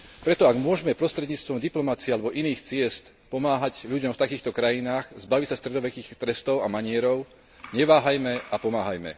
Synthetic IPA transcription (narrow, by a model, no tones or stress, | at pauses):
pɾɛt̪ɔaɡmʊɔʒɛmɛpɾɔst̪ɾɛd̪ɲiːt͡st̪ʋɔmd̪iplɔmat͡siɛalɛbɔʔiniːxt͡sɪɛst̪ | pɔmaːɦaɟʎuɟɔmft̪akiːxt̪ɔkɾajinaːɣzbaʋisast̪ɾɛd̪ɔʋɛkiːxt̪ɾɛst̪ɔʊamaɲɪɛɾɔʊ | ɲɛʋaːɦajmɛapɔmaːɦajmɛ̰